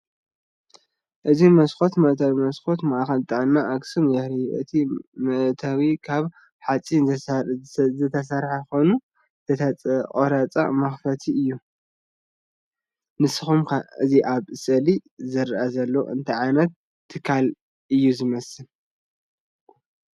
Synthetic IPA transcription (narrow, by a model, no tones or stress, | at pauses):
ʔɨzimɐsxo̞t̪mɐʔt̪ʰawimɐsxo̞t̪maʔaxɐlt̪ʼɨʕɨnːaʔaksɨmjɛhɾɐjɐ̰t̪ʰimɐʔt̪ʰawikʰaβ | ħat͡sʼin | zɨt̪ʰɐs̬ɐɾħaxojnu | t̪ʰɐt̪ʰɐkʼoɾat͡sʼa̰mɐxfɐt̪ʰiɨjːu | nɨsɨxumkʰɨziʔaβsʼɐlizɨɾɨʔazɐlːo̰ʔɨ̰nt̪ʰɐʕanɐt̪ʰː | ɨkʰːal | ʔɨjːuzɨmɐsɨl